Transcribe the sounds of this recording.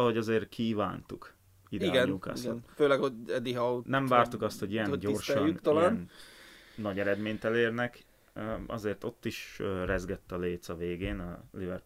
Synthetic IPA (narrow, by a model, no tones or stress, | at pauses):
lho̞ɟɒzeːrkʰiːva̰ːnt̪uk | id̪ɛɡɛnɲuka̰ːsɡɔ̰nføːlɛkhoɛd̪ːiɦɒunɛɱvaːrt̪ukɒst̪ho̞ɟijɛnɟo̞rʃɒynt̪ɔlaːnnː | ɒɟɛɾɛd̪meːɲt̪ɛleːrnɛkː | ɒ̰zeːrt̪o̞t̪ːiʃørɛzɡɛt̪ːɒleːt̪sɒveːɡeːnɒlivɛrp